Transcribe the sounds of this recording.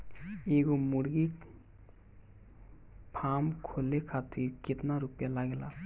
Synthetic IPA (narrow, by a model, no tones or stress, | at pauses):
eɡomuɽɡik | pʰamkʰolekʰat̪iɾket̪naɾupijalaɡela